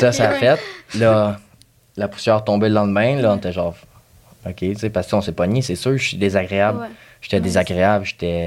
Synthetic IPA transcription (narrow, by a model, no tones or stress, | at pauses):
sʌsaːfɛt̪̚lʌ | lapu̥sjœːʁt̪ɔ̃belɑ̃d̪mɛ̃lʌ̃net̪ɛʒɑ̃ːʁ | ɔkʲʰet͡sepassɔ̃sepɔnisesøːʁʒsid̪ezaɡʁeablʒ̥ə̥t̪ɛd̪ezaɡʁeablʒe̥t̪ɛ